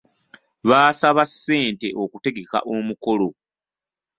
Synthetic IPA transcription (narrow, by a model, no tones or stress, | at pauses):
βaːsaβasːe̞ːnte̞ʔokute̞ɡe̞ka̰ʔo̞muko̞lo